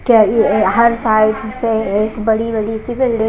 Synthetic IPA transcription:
keɦɐɾsaːɪʈseeːkbɐɽibɐɽisɪʋɪlɖɪ

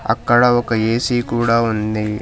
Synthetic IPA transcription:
ɐ̰kːɐɽɐɔkɐeːsiːkuːɽaːund̪i

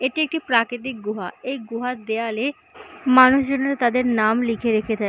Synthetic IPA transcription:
eʈiek̚ʈipɾakɾit̪ik̚ɡoɦaejɡoɦad̪eale | manuʃd͡ʑonːoɾat̪ad̪eɾnamlikʰeɾekʰed̪a

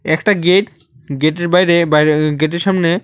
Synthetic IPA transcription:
ɛkʈaɡeʈ̚ | ɡeʈeɾbajɾebaɡeʈ̬eɾʃamne

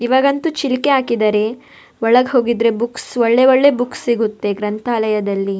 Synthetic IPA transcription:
iʋaːɡɐnt̪ut͡ʃilikeɦaːkid̪ɐɾe̞ | ɔɭɐɡɦo̞ːɡid̪ɾe̞buksɔɭːe̞ɔɭːe̞ːbuksːiɡut̪ːe̞ɡɾɐnt̪aːlɐjɐd̪ɐlːi

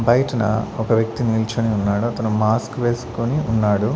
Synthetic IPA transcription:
bɐjʈɐnɐ̰ɔkɐʋjɐk̚t̪iniːlt͡ʃɐniunːaːɽuɐt̪ɐnumaːskʋe̞ːsu̥koniunːaːɽu

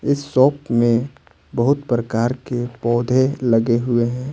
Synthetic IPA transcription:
ɪsːɔːkmẽ | bəɦʊt̪pɾəkaːɾkepɔːd̪ʱelɐɡeɦʊeɦɛ̃ː

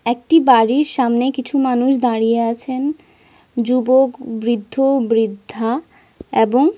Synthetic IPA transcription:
ek̚ʈibaɾiɾʃamnekit͡ɕʰumanuʃd̪aɾijeat͡ɕʰen | d͡ʑubokbɾid̪ʱːobɾid̪ʱːa | eboŋ

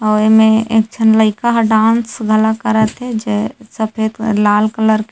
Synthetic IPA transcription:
ɔːemeek̚t͡ʃʰənləɪkaɦɖãnsɡʱəlakəɾət̪ɦɛd͡ʒesəbʰet̪lalkələɾke

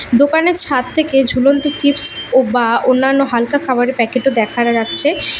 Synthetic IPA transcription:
d̪okaneɾt͡ɕʰat̪ʰːeked͡ʑʱulont̪ot͡ɕipsobaonːanːoɦalkakʰabaɾeɾpɛkeʈod̪ɛkʰaɾd͡ʑatːɕʰe

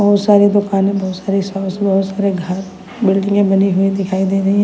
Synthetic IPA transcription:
bɐɦʊt̪saːɾed̪ʊkaːnẽbɐɦʊt̪saːɾisaːsbɐɦʊt̪saːɾeɡʱɐɾ | bɪlɖɪ̃ŋɡẽbɐniɦʊid̪ɪkʰaːid̪eːɾɐɦĩɦ

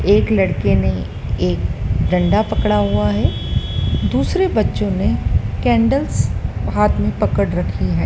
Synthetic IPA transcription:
eːklɐɽkene | eːk̚ɖɐ̃ɳɖapɐkɽaɦuaɦɛː | d̪uːsɾebɐtːʃõnekɛ̃ːɳɖəlsɦaːt̪ʰmẽpɐkəɽɾɐkʰiɦɛː

